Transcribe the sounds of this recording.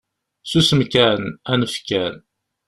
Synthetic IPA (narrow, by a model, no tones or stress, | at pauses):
susəmkænænəfkæn